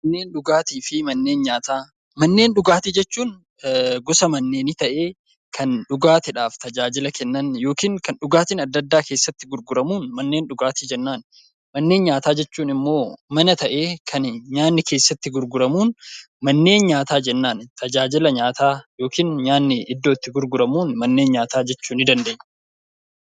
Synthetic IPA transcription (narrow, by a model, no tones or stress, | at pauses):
mɐnːe̞ːnɗʊɡaːt̪iːfɪmɐnːe̞ːnɲaːt̪aː | mɐnːe̞ːnɗʊɡaːt̪ɪd͡ʒɛt͡ʃːuːn | ɡɔsɐmɐnːeːnɪt̪ɐʔe̞ː | kʰɐnɗʊɡaːt̪ɪᶑaːft̪ɐd͡ʒaːd͡ʒɪlɐkɛnːɐnjo̞ːkiːŋkɐnɗʊɡaːt̪ɪnɐd̪ːɐd̪ːaːke̞ːsːɐt̪ːɪɡʊɾɡʊɾɐmuːnmɐnːe̞ːnɗʊɡaːt̪ɪd͡ʒɛnːaːn | mɐnːe̞ːnɲaːt̪aːd͡ʒɛt͡ʃːuːnɪmːo̞ːmɐnɐt̪ɐʔe̞ːkʰɐnɲaːnːɪke̞ːsːɐt̪ːɪɡʊɾɡʊɾɐmuːn | mɐnːe̞ːnɲaːt̪aːd͡ʒɛnːaːnt̪ʰɐd͡ʒaːd͡ʒɪlɐɲaːt̪aːjo̞ːkiːnɲaːnːɪɪd̪ːo̞ːt̪ːɪɡʊɾɡʊɾɐmuːnmɐnːeːnɲaːt̪aːd͡ʒɛt͡ʃːuːnɪd̪ɐnd̪eːɲː